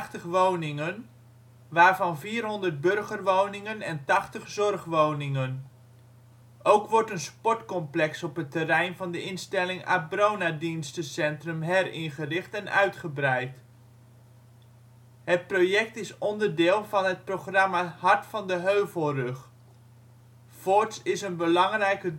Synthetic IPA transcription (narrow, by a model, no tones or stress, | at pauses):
χtəχʋownɪŋən | ʋaːɹvɑnviːrɦɔndərd̚bɵrχərʋownɪŋənɛntɑχtəχzɔrχʋownɪŋən | ʔowkʋɔɹtənspɔɹtkɔmplɛksɔpətərɛjnvɑndəɪnstɛlɪŋa̰brownadinstəsɛntrəmɦɛɾɪnχərɪχtɛnœ̰ɥtχəbrɛjt | ɦət̚prowjɛk̚tɪsɔndərdɪːlˠvɑnɦət̚proχrɑmahɑɹtfɑndəɦøɥvəlˠrɵχ | fɔɹtsɪsənbəlɑŋrɛjkə